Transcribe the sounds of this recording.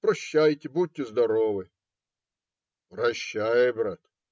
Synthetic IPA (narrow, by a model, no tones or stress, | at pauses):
pɾɐɕːæjtʲɪbud̚ʲtʲːɪzd̪ɐɾovɨ | prɐɕːæjɪbɾat̪